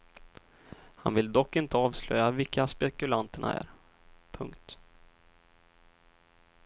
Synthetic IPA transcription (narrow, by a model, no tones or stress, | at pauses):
ha̰nvɪld̪ɔkːɪnt̪əɑːvslœjːavɪkʰːaspɛkɵlant̪əɳa̰æ̰ɾ | pʰɵŋkt̪